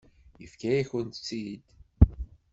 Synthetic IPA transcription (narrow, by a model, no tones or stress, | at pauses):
jəfkæjiçənt̪t͡sːid̪